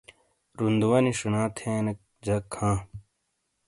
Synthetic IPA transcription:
ɾund̪uwɐniʂunãːt̪ʰeːnɐk | d͡ʑɐkʰːãː

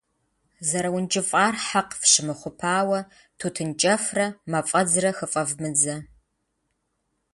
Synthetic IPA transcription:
zɐɾɐwʊnt͡ʃʼɪfʼaːrħaqfɕɪmɨχʷʊpʰaːwɐ | tʰutʰɨnt͡ʃʼɐfrɐmɐfʼɐd͡zrɐxəfʼɐvmɨd͡zɐ

